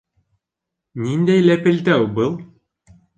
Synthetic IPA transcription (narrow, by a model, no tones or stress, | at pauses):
nind̪æjlæpɘ̆lt̪æwbɤlˠ